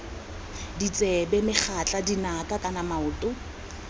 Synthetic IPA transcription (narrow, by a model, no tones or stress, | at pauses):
dit͡sʼɛbɛmɪχʰat͡ɬʼadinakʼakʼanamaʊːtʼʊ